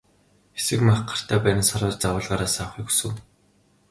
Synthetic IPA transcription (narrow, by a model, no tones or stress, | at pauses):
esɘ̆kmaχɢḁr̥t̪ʰæːpæːɾʲɪ̆nsaɾʊːt͡ɕt͡sawʊːɮʁaːɾaːsaw̆χiku̥sɘ̆w